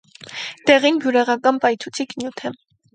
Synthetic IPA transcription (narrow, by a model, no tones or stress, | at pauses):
t̪ɛʁinbjuɾɛʁɑkɑnpɑjt͡sʰut͡sʰiknjut̪ʰɛ